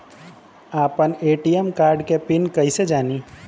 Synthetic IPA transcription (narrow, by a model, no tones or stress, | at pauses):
aːpəneːʈijemkaːɾɖkepɪnkəɪsed͡ʒaːniː